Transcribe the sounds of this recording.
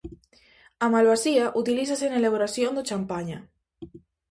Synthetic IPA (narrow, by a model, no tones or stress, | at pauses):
amalβasiaʔut̪ilis̬asenelaβoɾasjond̪ot͡ʃampaɲa